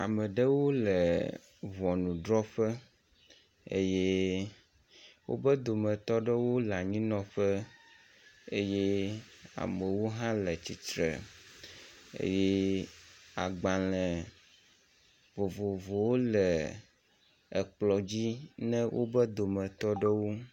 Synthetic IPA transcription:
a̰˨mə˨ɖə˦wo˦lə˨ | vɔ˨nũ˨ɖɾɔ˦ɸə˦ | ḛ˦je˦ | wo̰˦bə˦d̪o˨mə̃˨t̪ɔ˦ɖə˦wo˦la˨ɲĩ˦nɔ̃˦ɸə˦ | e˦je˦a̰˨mə˨wo˦ɦã˦lə˨t͡ɕi˨t̪ɾə̰˨ | ḛ˦je˦ | a˨ɡ͡ba˨lɛ̃˨ | vo˨vo˨vo˨wo˦lɛ˨ | ə˨k͡plɔ˨d͡ʑi˦nɛ̃˦wʔo̰˦bə˦d̪o˨mə̃˨t̪ɔ˦ɖə˦wo˦

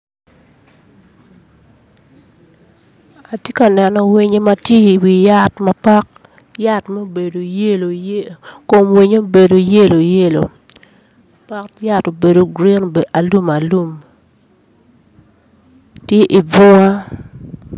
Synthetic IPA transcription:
a˨tje˦ka˨nɛ˨nɔ˨wi˦ɲe˦ma˨tje˦i˨wi˨ja˦tma˨pa˦k̚ | ja˦tmo˦be˨do˨je˦lo˨ | ko˨mwi˦ɲo˦be˨do˨je˦lo˨je˦lo̰˨ | pa˦kja˦to˨be˨do˨ɡɾi˦n˨a˨lu˦ma˨lu˦m | tje˦ʔi˨bɔ˦a˦

